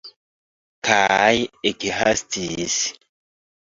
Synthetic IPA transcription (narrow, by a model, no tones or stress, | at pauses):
kajekiɦastis